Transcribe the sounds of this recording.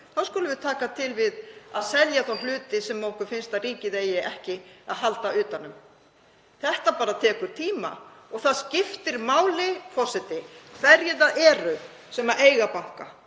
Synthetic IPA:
θawskɔːlʏvʏðt̪ʰaːkat̪ʰɪlvɪðaðsɛljaθawnlʏːt̪ɪsɛmːwŋkʏɾfɪnst̪aðriːcɪðeːjɪʔɛhcɪa̰ðɦalt̪aʏːt̪anːʏm | θɛht̪apaːɾat̪ʰɛːkʏɾ̥t̪ʰiːma̰ɔɣθaðscɪft̪ɪɾmaːwlɪfɔsɪt̪ɪvɛɾjɪðaʔɛːɾʏ | sɛmaʔeːjɣapawŋ̥ka̰

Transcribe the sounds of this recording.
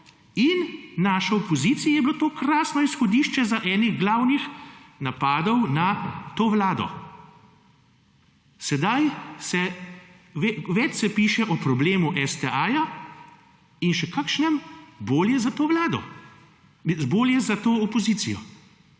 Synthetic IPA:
innaːʃɔɔpɔziːt̪sijajɛbilot̪oːkɾaːsnɔisxɔd̪iːʃt͡ʃɛzaʔɛːniɣɡlaːwnixnapaːd̪ɔwnat̪oːʋlaːd̪ɔ̰ | sɛd̪ajsɛ | ʋɛʋɛt͡ʃsɛpiːʃɛʔɔpɾɔbleːmuʔɛst̪ɛʔaːja | inʃɛkakʃnɛmboːljɛzat̪oːʋlaːd̪ɔ̰ | boːljɛzat̪oːɔpɔziːt̪sijɔ̰

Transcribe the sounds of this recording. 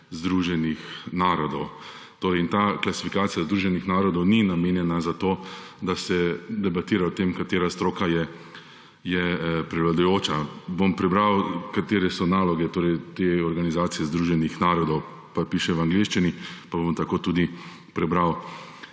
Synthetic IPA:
zd̪ɾuʒɛnixnaːɾɔd̪ɔw | t̪oːɾɛɪint̪aklasi̥fikaːt̪sijazd̪ɾuːʒɛnixnaːɾɔd̪ɔwninameːnjɛnazat̪oː | d̪asɛd̪ɛbat̪iːɾaot̪emkat̪eːɾast̪ɾoːkajɛ | jɛpɾɛʋlad̪ujoːt͡ʃabompɾɛbɾawkat̪eːɾɛsɔnaːlɔɡɛt̪oːɾɛjt̪eɔɾɡanizaːt̪sijɛzd̪ɾuːʒɛnixnaːɾɔd̪ɔw | papiːʃɛʋaŋɡleʃt͡ʃinipabomt̪akoːt̪ud̪i | pɾɛbɾaw

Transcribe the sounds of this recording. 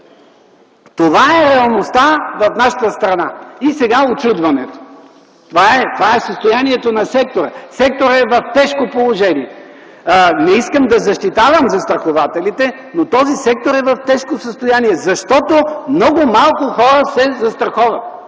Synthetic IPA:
t̪ovaɛɾɛɐlˠnost̪avɐfnaʃət̪əst̪ɾɐnaisɛɡaot͡ʃud̪vɐnɛt̪o̥ | t̪ovaɛt̪ovaɛsəst̪ojaniɛt̪onɐsɛk̚t̪oɾəsɛk̚t̪oɾɛvɐft̪ɛʃkopolˠoʒɛniɛ | nɛiskəmd̪ɐzɐʃt̪it̪avəmzɐst̪ɾɐxovat̪ɛlit̪ɛ | not̪ɔzisɛk̚t̪oɾɛvɐft̪ɛʃkosəst̪ojaniɛzɐʃt̪ɔt̪omnɔɡʊmalˠkʊxɔɾəsɛzɐst̪ɾɐxɔvɐt̪̚

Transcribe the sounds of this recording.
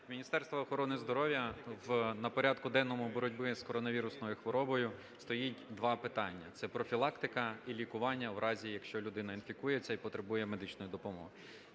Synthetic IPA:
mʲinʲist̪ɛrst̪ʋɐːxɔɾɔnɪzd̪ɔɾɔwʲjɐwnɐpɔɾʲad̪kʊd̪ɛnːɔmʊbɔɾɔdʲbɪskɔɾɔnɐʋʲiɾʊsnɔjʊxʋɔɾɔbɔjʊ | st̪ɔjitʲd̪ʋɑpɪt̪ɑnʲːɐt̪sɛpɾɔfʲilˠɑkt̪ɪkɐilʲikʊʋɑnʲːɐwɾɑzʲijɐkʃt͡ʃɔlʲʊd̪ɪnɐinfʲikujet͡sʲːɐipɔt̪ɾebujɛme̞d̪ɪt͡ʃnɔjʊd̪ɔpɔmɔ̰ɦɪ

